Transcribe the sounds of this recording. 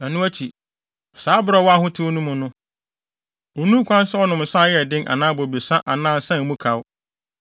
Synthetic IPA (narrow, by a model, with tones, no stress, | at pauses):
æ˨nũ˦æ˦t͡ɕʰi˨ | saː˨˦bʊ˦ɾɔ˨wɔ˦a˦hʊ̃˦tʰɪ˦wo˦nũ˦mʊ̃˨nʊ̃˦ | o˨nũ˦kʷʰã˦n˦sɛ˦ɔ˦nʊ̃˨m˨sã˦jɛ˨dɪ̃˦nʔa̰˨nãː˦bɔ˨bi˨sã˦ʔa˨nãː˦˨n˨sã˦˨mũ˦kʰa˨w